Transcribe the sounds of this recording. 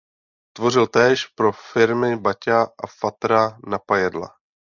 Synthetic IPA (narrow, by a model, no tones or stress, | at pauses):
t̪vo̞r̝ɪlt̪ɛːʃpɾo̞fɪɾmɪbacaʔafat̪ɾanapajɛdla̰